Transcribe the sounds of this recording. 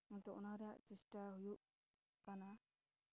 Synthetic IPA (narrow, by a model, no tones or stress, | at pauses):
mɔnt̪ɔɔnaɾaʔt͡ʃisʈaɦujuʔ | kana